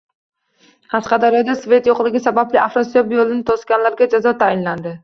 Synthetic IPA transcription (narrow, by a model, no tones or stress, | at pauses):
qʰɑsqɑd̪ɒɾad̪asve̞t̪joqlˠɪɡʲɪsabablɪafɾosobjolˠɪnɪt̪ʰoskʲanlaɾɡʲad͡ʒazɒt̪ʰajɪnland̪ɪ